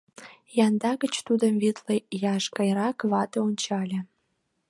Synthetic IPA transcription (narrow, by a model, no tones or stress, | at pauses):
jɑnd̪ɑɡə̆t͡ɕt̪ud̪əmvit̪lejɑʃkɑjɾɑkvɑt̪ɤont͡ɕɑlʲĕ